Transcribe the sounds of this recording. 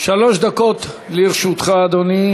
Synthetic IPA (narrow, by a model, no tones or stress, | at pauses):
ʃaloʃd̪akot̪liɾʃut̪χaːd̪oni